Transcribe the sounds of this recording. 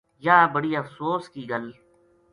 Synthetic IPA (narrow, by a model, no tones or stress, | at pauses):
jaːbəɽiːəfsoːskiːɡəl